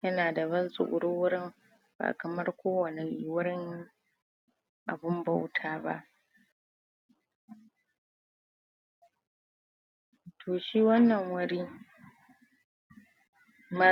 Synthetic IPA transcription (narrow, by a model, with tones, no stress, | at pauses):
jɐ˦naː˨da˨βɐ˦nsʼʊ̰˨ʔʷʊ̰˨ɽʊː˦wʊ˦ɽɪ˦m | ba̰ː˨kɐ˨mɐ˦rkʷoː˦wɐ˨ne˨ʔwʊ˦ɾɪ˦ŋ | ʔa̰˨bʊ˦mba˦wtʰaː˨ba̰˦ʔ | tʰoː˨ʃiː˦wɐ˦nːɐ˨ŋwɐ˦ɽiː˦ | ma˦